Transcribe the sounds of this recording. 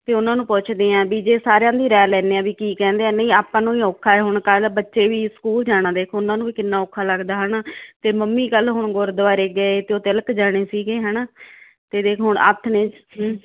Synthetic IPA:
t̪eːʊnãːnũːpʊt͡ʃʰd̪eːãːbiːd͡ʒeːsaːɾejãːd̪iːɾɛːlɛːneːãːbiːkiːkɛ̃ːnd̪eːaːnẽiːaːpãːnũːiːoːkʰːaːɛːɦʊɳkəlbətːʃeːʋiːsə̥kuːld͡ʒaːɽ̃ãːd̪eːkʰːʊnãːnũːbiːkɪnːaːoːkʰːaːləɡd̪aːɦənaːt̪eːməmːiːkəlɦʊɳɡʊɾd̪ʋaːɾeːɡəet̪eːoːt̪ɪləkd͡ʒaːɽ̃eːsiːɡeːɦɛːnaː | t̪eːd̪eːkʰɦʊɳə̰t̪ʰneːd͡ʒɦ

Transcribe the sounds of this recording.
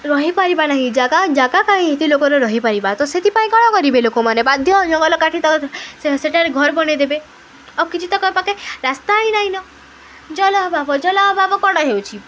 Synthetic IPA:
ɾɔɦipaɾibanaɦĩd͡ʒaɡad͡ʒaɡakaĩet̪ilokɔɾɔɾɔɦipaɾibat̪ɔset̪ʰipaĩkɔɽ̃ɔkɔɾibelokomanebad̪ʱjɔd͡ʒɔŋɡɔlɔkaʈʰit̪ɔkseʈaɾeɡʱɔɾbɔɽ̃ed̪ebe | ɔkit͡ʃʰit̪ɔkɔpakeɾast̪aĩnaɦĩnɔ | d͡ʒɔlɔɦbabɔd͡ʒɔlɔɦɔbabɔkɔɽ̃ɔɦewt͡ʃʰi

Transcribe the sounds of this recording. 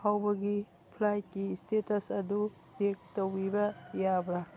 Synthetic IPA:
hawbɐɡi | pʰlajt̚kistetɐsɐdusek̚towbibɐjabɾa

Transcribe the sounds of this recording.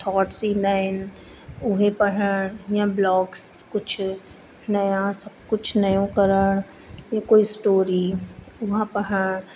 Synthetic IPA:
t̪ʰɔːʈsiːnaɪn | ʊɦẽpəɦəjãblɔːkskʊt͡ʃʰ | nɐjãsɐb̚kʊt͡ʃʰnɐjõkəɾəɳ | jãkoːisʈoːɾi | ʊɦãpəɦə

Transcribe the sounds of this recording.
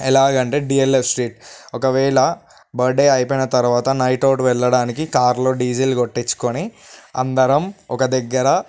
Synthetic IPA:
ɛlaːɡɐɳʈeːɖiːelepʰsʈɾiːʈɔkɐʋɛːɭɐ | bɐɾɖeːɐjpojnɐt̪ɐɾuʋaːt̪ɐnɐjʈoːʈʋɛɭːɐɽaːnikikaːɾlo̞ːɖiːd͡ʒɐjlɡoʈːit͡ʃːu̥koniɐ̰nd̪ɐɾɐmɔkɐd̪ɛɡːɐɾɐ

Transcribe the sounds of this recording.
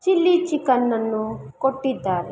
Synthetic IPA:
t͡ʃilːit͡ʃikɐnːɐnːukoʈːid̪ːaːɾe

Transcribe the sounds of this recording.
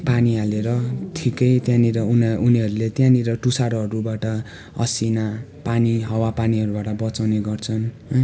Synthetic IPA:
paniɦaleɾʌʈʰikʌjt̪jãniɾʌununiɦʌɾulet̪jãniɾʌʈusaɾɦʌɾubaʈʌ | ʌ̰sina | paniɦʌwapaniɦʌɾubaʈʌbʌt͡sawneɡʌrt͡sʰʌn

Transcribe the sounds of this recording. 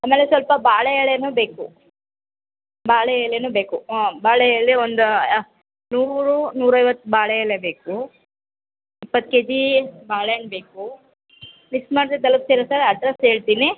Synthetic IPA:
aːmeːlesʋɐlpɐbaːɭejɐɭenuːbe̞ːku | baːɭɛjɭenuːbeːkubaːɭejɐɭːiond̪u | nuːɾunuːɾɐjʋɐt̪ːbaːɭejɐɭebe̞ːku | ipːɐt̪̚ːked̪ibaːɭeɐɳɖbeːku | mismaːɽd̪ed̪ɐlɐk̚seːɾɐsɐɾɐʈɾɐseːɭt̪iːni

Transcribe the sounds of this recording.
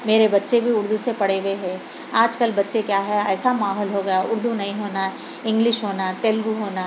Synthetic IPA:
meːɾebɐtːʃebʱiʊɾd̪ʱusepɐɽeʋeɦɛ̃ː | aːd͡ʒkəlbɐtːʃekjaːɦɛɛːsamaːɦɔːlɦoɡɐjaʊɾd̪ʱunɐɦĩɦoːnaɛ | ɪ̃ŋɡlɪʃɦoːnat̪eːlɡuɦoːna

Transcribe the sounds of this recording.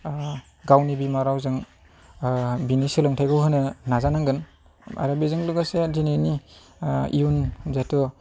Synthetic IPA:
ɡawnibimaɾawzɯŋ | binisilɔŋtʰajɡɯwɦɯnɯnazanaŋɡɯn | a̰ɾabizɯŋluɡasedineni | ijunzatɔ

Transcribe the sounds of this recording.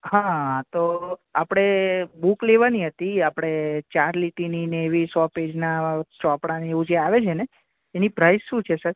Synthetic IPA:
ɦãt̪oapɽ̃ebukleʋaniɦət̪iapɽ̃et͡ʃaɾliʈinineːʋisɔped͡ʒnat͡ʃɔpɽaneeʋũd͡ʒeaʋet͡ʃʰeneː | nipɾaisʃũt͡ʃʰesəɾ

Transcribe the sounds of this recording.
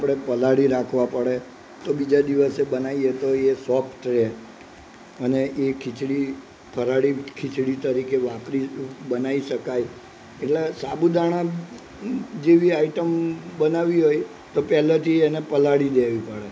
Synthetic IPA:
apɽ̃epəlaɽiɾakʰʋãpəɽe | t̪obid͡ʒad̪iʋəsebənaiet̪oesɔpʰʈɾe | əneʔekʰɪt͡ʃɽi | pʰəɾaɽikʰɪt͡ʃɽit̪əɾikeʋãpɾibənaiʃəkaj | eʈlesabud̪ʱaɽ̃ã | d͡ʒeʋiaiʈəmbənaʋiɦoj | t̪opɛlat̪ʰiɛnepəlaɽid̪eʋipəɽe

